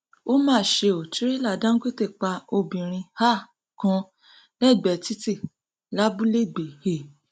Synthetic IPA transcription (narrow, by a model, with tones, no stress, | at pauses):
o˦mãː˦˨ʃe˧o˨ti˨˦ɾe˦la˦˨dã˦ke˦te˦˨k͡pa˧o˧bĩ˨ɾ̃ĩ˧ha˦˨ | kɔ̃˧˦ | nɛ˦˨ɡ͡bɛ˨ti˦ti˦˨ | la˨˦bu˦le˦˨ɡ͡be˨he˦˨